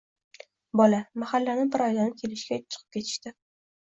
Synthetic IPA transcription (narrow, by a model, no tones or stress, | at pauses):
bɒlamahalːanɪbɪɾɒjd̪anɪkʲʰe̞lɪʃɡʲat͡ʃʰɨ̥qʰɨp̚kʲet̪ʰɪ̥ʃt̪ɪ